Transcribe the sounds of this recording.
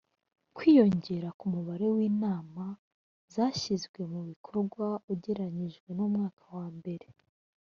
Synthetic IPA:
kwiːjo̞ɲɟe̞ɾakumuβaɾe̞wiːnaːma | zaːʃizɡwe̞muβikʰo̞ɾɡwauɟe̞ɾaɲiʒɡwe̞numŋaːkawaːmbe̞ɾe̞

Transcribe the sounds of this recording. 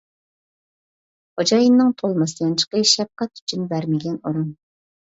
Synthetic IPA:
hod͡ʒɑjinːɨŋt̪ʰolˠmɑsɨjɑnt͡ʃʰə̥qəʃɛp̚qæt̪y̥t͡ʃʰynbæɾmɪɡʲɛnoɾun

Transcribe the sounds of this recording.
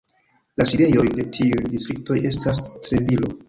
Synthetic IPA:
lasiɾe̞jo̞jde̞tʰiujdistɾik̚to̞je̞stastɾe̞vilo̞̰

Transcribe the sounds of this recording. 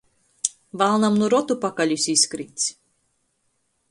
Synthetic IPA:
valˠnamnuɾɔt̪upakalʲusʲisʲkɾḭːt̪sʲ

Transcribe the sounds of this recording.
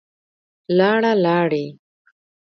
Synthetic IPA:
lɑːɽalɑːɽi

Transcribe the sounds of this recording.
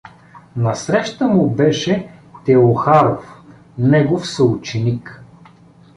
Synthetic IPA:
nɐsɾɛʃt̪əmʊbɛʃɛt̪ɛoxaɾof | nɛɡofsəut͡ʃɛnik

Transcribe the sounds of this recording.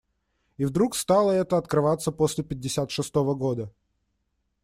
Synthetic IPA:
ivd̪ɾukst̪alˠəɛt̪əɐt̪kɾɨvat̪sːəpo̞sʲlʲɪpʲɪdʲːɪsʲat̪ʂɨst̪o̞vəɡo̞d̪ə

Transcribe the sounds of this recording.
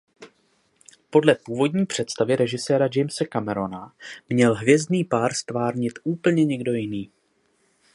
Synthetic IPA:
po̞dlɛpuːvo̞dɲiːpr̝̥ɛt̪st̪avɪɾɛʒɪsɛːɾad͡ʒɛjmsɛkamɛɾo̞namɲɛlɦvjɛzdniːpaːɾst̪vaːɾɲɪt̪ʔuːpl̩ɲɛɲɛɡdo̞jɪniː

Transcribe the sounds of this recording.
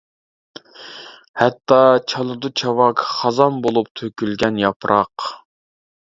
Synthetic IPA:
hɛt̪ːɑt͡ʃʰɑlˠʊd̪ut͡ʃʰɑwɑkχɑzɑmbolˠup̚t̪ʰøkʲylɡʲɛnjɑpʰɾʔɑq

